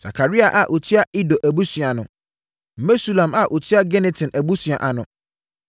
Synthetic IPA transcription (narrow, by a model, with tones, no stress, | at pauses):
sa̰˨kʰa˨ɾi˦a˨ʔa˨ʔo˨tʰi˦a˦ʔi˦do˨ʔæ˨bu˦sĩ˨a˨nʊ̃˨ | m̩˨me˦su˦lã˨ma˨ʔo˨tʰi˦a˦ɡɛ˦nɛ˨tʰɪ̃˨nʔæ˨bu˦sɥa˨ʔa˨nʊ̃˨